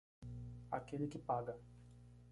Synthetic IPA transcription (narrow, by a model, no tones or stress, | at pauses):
a̰kelɪkɪpaɡɐ